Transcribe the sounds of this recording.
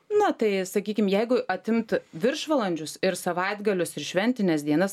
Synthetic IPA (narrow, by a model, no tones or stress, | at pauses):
nʊt̪ɐɪsɐkʲiːkʲɪmjɛɪɡʊʔɐt̪ʲɪmt̪ʋʲɪɾʃʋɐlˠɐnʲd͡ʒʲʊsɪɾsɐʋɐɪd̪ɡɐlʲʊsɪɾʃʲʋʲɛnʲt̪ʲɪnʲɛs̬d̪ʲiɛnɐs